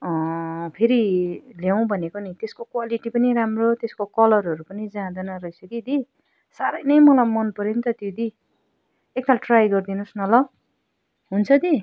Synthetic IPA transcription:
ʌpʰeɾiljaw̃bʱʌnekonit̪eskokwaliʈipʌniɾamrot̪eskokʌlʌɾʌɾupʌnid͡zãd̪ʌnʌɾʌisʌkid̪i | saɾʌjnʌjmʌlajmʌnpʌɾint̪ʌt̪jod̪i | ekːalʈrajɡʌrd̪inusnʌlʌ | ɦunt͡sʰʌd̪i

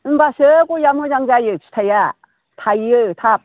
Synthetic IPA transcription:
ɯnbasɯkujamɯd͡ʒaŋd͡ʒajɯt͡ʃʰi̥tʰaja | t̪ʰajɯt̪ʰap̚

